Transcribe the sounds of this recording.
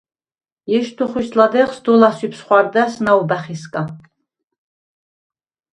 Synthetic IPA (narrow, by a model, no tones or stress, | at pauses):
jɛʃt̪ʰuχuslad̪ɛχsd̪ɔlasipʰsχʷaɾd̪asnawbæχiskʼa